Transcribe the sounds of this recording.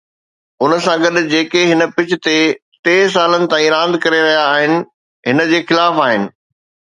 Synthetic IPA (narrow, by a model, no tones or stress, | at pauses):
ʊnəsãɡɐɗd͡ʑeːkeɦɪnə̆pɪt͡ɕʰɪ̆t̪et̪eːs̬aːlənɪ̆t̪ãːĩɾãːnd̪kɐɾeɾɐɦijaːɦɪnɪ̆ | ɦɪnəd͡ʑeːxɪlaːfaːɦɪnɪ̆